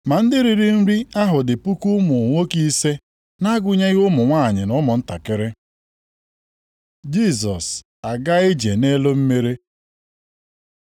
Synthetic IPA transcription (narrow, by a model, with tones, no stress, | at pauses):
ma˨n̩˦dɪ˦ɾi˨ɾi˦n̩˦ɾi˦a˦ɦʊ˨dɪ˨pu˦ku˦mʊ˨ŋʷo˦ki˦se˦ | na˦ɡʊ˦ɲe˦ɣʊ˦mʊ˨ŋʷaː˦˨ɲɪ˨nʊ˦mʊ˨n̩˦ta˨kɪ˦ɾɪ˦ | d͡ʒi˦˨s̬ɔ˨s | a˨ɡa˦e˦d͡ʒe˨ne˦lo˦m̩˦me˦ɾe˦